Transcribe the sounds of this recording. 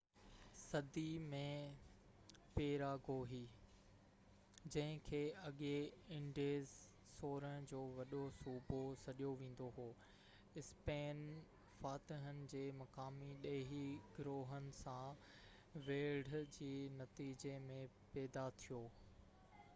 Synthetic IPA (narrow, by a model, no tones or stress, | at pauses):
sɐd̪imẽ | peːɾaːɡoːɦiː | d͡ʑɐ̃ɦɪ̃kʰeːɐɠeɪ̃ɳɖeːz | soːɾəɽ̃d͡ʑoːʋɐɗosuːbʱosɐɗijoʋẽːn̆d̪oɦoː | ɪspeːn | faːt̪ɪɦənɪ̆d͡ʑeːmɐkaːmiɗeːɦiɡɾoːɦənɪ̆sã | ʋeːɽd͡ʑeːnɐt̪iːd͡ʑemẽpɛːd̪at̪ʰijoː